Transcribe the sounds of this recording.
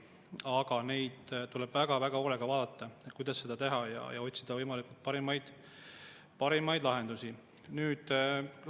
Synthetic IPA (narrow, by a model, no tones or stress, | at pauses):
ɑɡɑne̞jd̪̥t̪ulɛb̥væɡ̥ɑvæɡ̥ɑoleɡ̥ɑvɑːd̪̥ɑt̪ːɑkujd̪ɑsːe̞d̪ɑt̪e̞ɦɑjɑ̰jɑ̰o̞t̪ʲsid̪̥ɑvɤjmɑlikult̪̚pɑɾimɑjd̪̥ | pɑɾimɑjd̪lɑɦe̞nd̪usi | nyːd̪̥